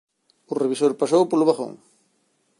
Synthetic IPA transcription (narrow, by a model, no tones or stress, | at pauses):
ureβisoɾpasowpoluβaxo̰ŋ